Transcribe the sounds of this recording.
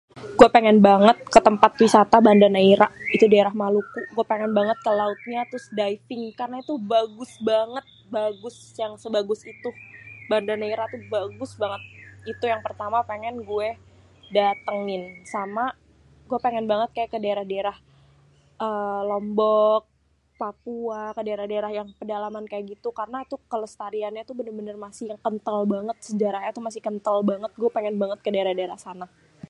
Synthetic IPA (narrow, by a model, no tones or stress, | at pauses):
ɡ̥uɛpeŋɛnbaŋət̪̚kət̪əmpat̪wisat̪abandanaiɾaʔit̪udaeɾahmalukuɡuɛpeŋɛnbaŋət̪̚kəlaʊt̪̚ɲat̪ɾʊsdajfɪŋkarənait̪ubaɡʊsbaŋət̪̚baɡʊs | jaŋsəbaɡʊsit̪ubandanaiɾat̪ubaɡʊsbaŋət̪̚it̪ujaŋpərt̪amapeŋɛnɡuɛ | dat̪əŋɪnsama | ɡuɛpeŋɛnbaŋət̪̚kajakədaeɾahdaeɾah | ʔəːlɔmbɔk̚ | papuakədaɾahdaeɾahjaŋpədalamankajaɡit̪ukarənat̪ukələst̪aɾianɲat̪ubənərbənərmasɪhjaŋkənt̪əlbaŋət̪̚səd͡ʒaɾaɦɲat̪umasɪhkənt̪əlbaŋət̪̚ɡuɛpeŋɛnbaŋət̪̚kədaeɾahdaeɾahsana